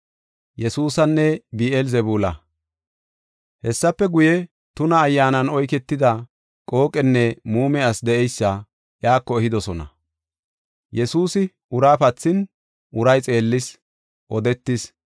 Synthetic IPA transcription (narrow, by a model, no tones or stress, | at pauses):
jɛsuːsɐnːɛbiːɛlzɛbuːlɐ | hɛsːɐpːɛɡʊjɛ | t̪ʊnɐːjːaːnɐnɔjkɛt̪ːɪd̪ɐ | kʼo̞ːkʼɛnːɛmuːmɛɐsd̪ɛʔɛjsːɐ | ʔjaːkːɔɛhɪd̪ɔsɔnɐ̰ | jɛsuːsɪ | ʊɾaːpɐt͡sːɪn | ʔʊɾɐjt͡sʼe̞ːlːɪs | ʔɔd̪ɛt̪ːɪs